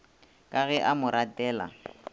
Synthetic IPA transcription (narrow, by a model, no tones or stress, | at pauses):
kʼaɣɛʔamʊɾʔatʼɛːla̰